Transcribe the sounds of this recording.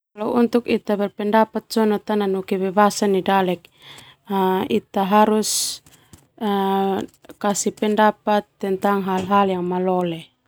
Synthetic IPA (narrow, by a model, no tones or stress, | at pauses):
alaunt̪ukit̪abɛlpɛndapat̪̚sɔnɔt̪ananɔkɛbɛbasanidalɛk̚ | ait̪aɦaɾus | kasipɛndapat̪ːɛnt̪aŋɦalɦaljaŋmalɔlɛ